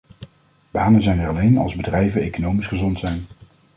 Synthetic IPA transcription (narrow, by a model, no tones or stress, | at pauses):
b̥aːnənzɛjnɛɹɑlejnɑ̰lˠzbədrɛjvənejkonowmisχəzɔntsɛjn